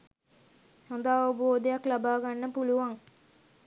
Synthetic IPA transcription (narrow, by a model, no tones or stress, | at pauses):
hond̪aːʋobəʋoːd̪ejaklabaːɡanːəpuluʋaŋ